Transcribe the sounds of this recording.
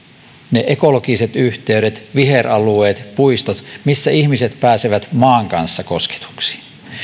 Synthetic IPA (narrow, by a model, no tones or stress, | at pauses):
neʔeko̞lokise̞t̪yht̪e̞yɾet̪ʋiɦe̞rɑlueːt̪puist̪ot̪misːæiçmise̞t̪pæːseʋæt̪mɑːŋkɑnsːɑko̞ske̥t̪u̥ksi̥